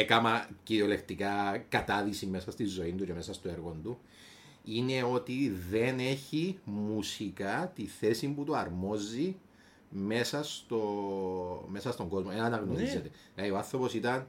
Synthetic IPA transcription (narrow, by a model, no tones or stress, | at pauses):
ekɐmɐciɾio̞le̞kt̪ikɐkɐt̪ɐðisime̞sɐst̪izːo̞ind̪uce̞me̞sɐst̪oe̞ɾɣo̞nd̪u | ine̞o̞t̪iðe̞ne̞çimusikɐt̪iθe̞simput̪uɐɾmo̞zi | me̞sɐst̪o̞ | me̞sɐst̪o̞ŋɡo̞zmoenɐnɐɣno̞ɾiset̪e̞ | lɐioɐθːɾo̞po̞sit̪ɐn